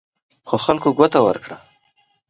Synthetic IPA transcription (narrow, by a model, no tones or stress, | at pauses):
xoxalkoɡwat̪awə̰ɾkɽa